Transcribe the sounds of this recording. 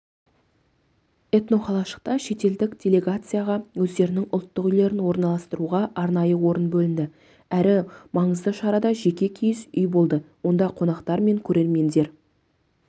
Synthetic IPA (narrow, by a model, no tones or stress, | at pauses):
e̞t̪no̞χɑlˠɑʃə̥q̚t̪ɑʃe̞t̪e̞ld̪ɪkd̥̪ʲe̞lʲe̞ɡat̪sɨjaʁɑwɵzd̪e̞ɾɪnɪŋʊlˠt̪ːəqʏjle̞ɾɪnwo̞ɾnɑlˠɑst̪əɾuʁɑʔɑɾnɑjəwo̞ɾənbɵlɪnd̪ɪ | æɾɪmɑɴəzd̪əʃɑɾɑd̪ɑʒe̞kʲe̞kʲʰijɪsʏjbo̞lˠd̪əwo̞nd̪ɑqʰo̞nɑqt̪ɑɾme̞ŋkʲʰɵɾe̞ɾme̞nd̪e̞ɾ